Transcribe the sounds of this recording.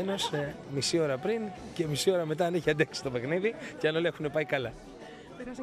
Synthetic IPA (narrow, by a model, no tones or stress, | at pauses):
eno̞semisio̞ɾɐpɾince̞misio̞ɾɐme̞t̪ɐːniçiɐd̪eksi̥st̪o̞pe̞xniðiceɐnolexune̞pɐikɐlɐ